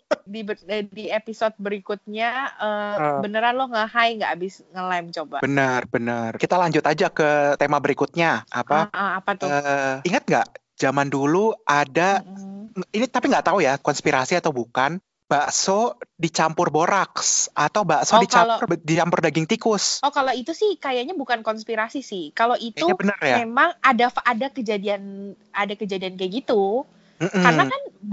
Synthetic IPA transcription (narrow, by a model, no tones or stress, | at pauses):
didiepisot̪̚bəɾikʊt̪̚ɲaəəbənəɾanlɔhŋəɦaiŋɡaʔabɪsŋəlajmt͡ʃobabənərbənərkit̪alaɲd͡ʒʊt̪ad͡ʒakət̪emabəɾikʊt̪̚ɲaʔappaʔapat̪ɔəiŋat̪̚ŋɡa̰ʔ | d͡ʒamanduluʔadaŋinit̪apiŋɡaʔt̪aujakɔnspiɾasiat̪awbukan | b̥aʔsodit͡ʃampʊrboɾaksʔat̪awbaʔsodit͡ʃalʊrdit͡ʃampʊrdaɡɪŋt̪ikʊsɔkaloit̪usɪhkajaɲabukankɔnspiɾasisɪhkaloʔit̪auabənərjmaemaŋadafaʔadakəd͡ʒadian | adakəd͡ʒadiankaɡit̪u | m̩m̩kanakan